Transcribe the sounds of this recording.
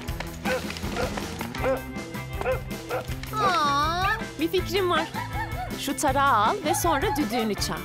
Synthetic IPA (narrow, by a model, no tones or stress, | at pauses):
a | bificɾimvaɾ̥ʃut̪ʰaɾaːaːlˠvɛso̞nɾad̪yd̪yːnyt͡ʃʰa̰